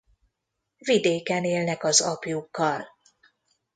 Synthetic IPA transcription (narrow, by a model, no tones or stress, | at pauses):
vid̪eːkɛneːlnɛkɒzɒpjukːɒl